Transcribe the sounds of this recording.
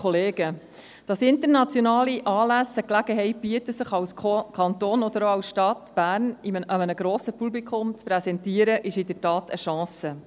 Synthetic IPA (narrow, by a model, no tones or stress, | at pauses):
ɔleːɡ̥ə | d̥ɑsɪnt̪əɾnɑt͡sjɔnɑːliʔɑːlæsəklæɡ̥əɦɛɪt̚b̥iətəsəχɑwskʰɑnt̪oːnɔd̪əɾoɑwsʃtɑtb̥æːɾniʔəmənəɡɾoːsəpublikʰʊmt͡spɾɛsɛntiəɾəʔɪʃɪdəɾtɑːtʰəʃɑ̃ːsə